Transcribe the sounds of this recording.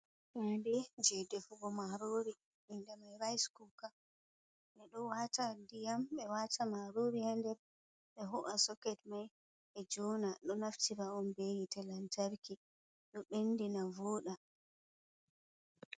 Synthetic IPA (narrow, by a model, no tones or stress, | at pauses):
kadɛd͡ʒɛdɛfuɡɔmaɾoɾi | ʔindɛmajɾajskuka | ʔɛɗɔwatadijamɓɛwatʰamaɾoɾihandɛɾ | ɓɛɦɔʔasɔkɛtmaj | ɓɛd͡ʒɔnaɗɔnaftiɾaɔnbejitɛlantaɾki | ɗɔɓenːdinavɔɗa